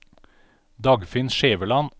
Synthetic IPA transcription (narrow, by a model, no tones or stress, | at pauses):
d̪ɑɡfɪnʃeːʋəlɑn